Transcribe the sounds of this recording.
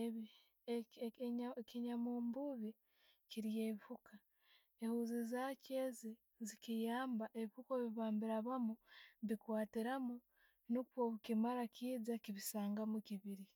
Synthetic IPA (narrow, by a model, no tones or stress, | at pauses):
e | kiɲamuːmbuβi | ciɾijeːβifuka | ehuzizacezi | zikijaːmbaʔe̞βihukoβiβaːmbiɾaβamuβikwaːtiɾamu | nukwoβukimaɾakiːd͡zakiβisaːŋɡamukiβiɾi